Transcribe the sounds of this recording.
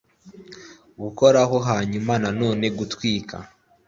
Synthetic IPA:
βuko̞ɾaɦo̞ɦaɲumanano̞ːne̞ɡutwiːkʰa̰

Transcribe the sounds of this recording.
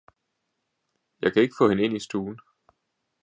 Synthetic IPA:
jɑ̈ɪkʰæe̝ɡ̥ə̥fɔ̽ːhenəe̝nisd̥uːn̩

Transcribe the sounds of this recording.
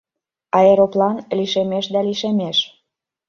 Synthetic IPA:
ɑeɾoplɑnliʃemeʃd̪æliʃemeʃ

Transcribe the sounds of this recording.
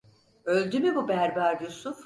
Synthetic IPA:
ølʲd̪ymybubæɾbaɾjusuf

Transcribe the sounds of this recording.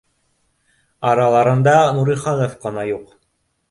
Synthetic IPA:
ɑɾɑlˠɑɾɤ̆nd̪ɑnuɾiχɑnofqɤ̆nɑjuq

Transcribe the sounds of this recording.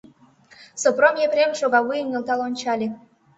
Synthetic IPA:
sopromjepɾʲemʃoɣɑβujyŋelt̪ɑlonʲt͡ɕɑlʲe

